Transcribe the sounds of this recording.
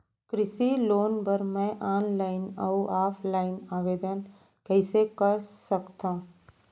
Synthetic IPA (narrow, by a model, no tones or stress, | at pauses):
kɾɪsiloːnbəɾmɛ̃ːʔaːnlaːɪnɐʔaːpʰlaːɪnaːʋeːd̪ən | kɛːsekəɾsəkt̪ãː